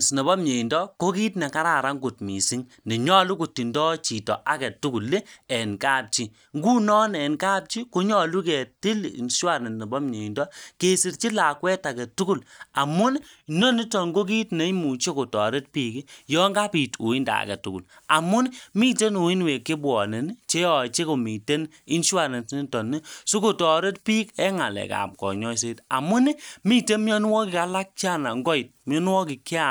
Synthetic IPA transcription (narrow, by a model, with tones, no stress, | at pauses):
sne˨bɔ˦mɲe˨i˨ndɔ˦ko˦ki˦tnɛ˨ka˦ɾa˨ɾa˦ŋɡu˨t̚mi˨si˦ŋ | ne˨ɲɔ˦lu˦ku˨tːi˨ndɔ˦t͡ʃi˨tɔ̰˨ʔa˨˦kɛ˨tu˦ku˨lːe˦ɛ˨nkaː˦˨p̚t͡ʃi˦ | ŋɡu˦nɔ˦nɛ˨nka˦p̚t͡ʃi˦ko˦ɲɔ˦˨lu˦kɛ˨ti˦l̰nswa˦˨ne˨ne˨bɔ˦mɲe˨i˨ndɔ˦ke˨si˨ɾt͡ʃi˦la˨kwɛ˦ta˨kɛ˨tu˦ku˦˨la˨mʊ˦nno˦ni˦tɔ˨ŋɡo˦k̬i˦tnɛ˨˦i˦mu˨t͡ʃe˦ko˨tɔ˨ɾe˦t̚pi˨ki˦jɔ˦ŋɡa˦pi˨tu˨i˦nda̰˨kɛ̰˨tu˦kṵ˨l | a˨mʊ˦n˦mi˦te˦nu˨i˦nwe˨kɪ˦bwɔ˨ne˨n˦t͡ʃe˦ɔ˨t͡ʃe˦ko˨mi˨te˦n | i˦nʃa˦ɾɛ˨nsni˦tɔ˨nːi˦su˦ko˨tɔ˨ɾe˦t̚pi˦kɛ˦ŋa˨lɛ̰˨ka̰˨p̚kɔ̰˨ɲɔ˦s̬e˦ta̰˨mʊ˦n˦mi˦te˦nm˦ɔ˦n˦wɔ˦kɪ˨ka˦la˦k̚t͡ʃi˦a˦˨na˨ŋɡɔ˦i˨t̚m˦ɔ˦n˦wɔ˦ki˨ki˦a˦˨